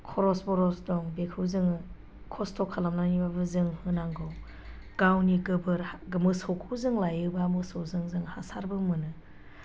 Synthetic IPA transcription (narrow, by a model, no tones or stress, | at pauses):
kʰɔɾɔsbɔɾɔsdɔŋbekʰɯwzɯŋɯ | kʰɔstʰɔkʰalamnanibabɯzɯŋhɯnaŋɡɯw | ɡ̥awniɡɯbɯɾhɡɯmɯsɔwkʰɯwzɯŋlajɯbamɯsowzɯŋzɯŋhasaɾbɯmɯnɯ